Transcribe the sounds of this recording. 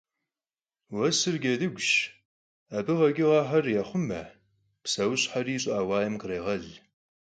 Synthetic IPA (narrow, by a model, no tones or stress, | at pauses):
wɐsɨrɡʲɐdɨɡʷʃ | abɨʁɐɡʲɪʁɑħarjaχʷʊmɐ̰ | psɐwɕħariːɕʼaːwɑːjɐmqəreːʁɐɮ